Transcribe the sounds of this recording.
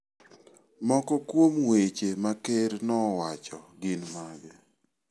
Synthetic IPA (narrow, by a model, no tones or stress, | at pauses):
mɔkɔkwomwet͡ʃemakeɾnɔwat͡ʃɔɡɪnmaɡɛ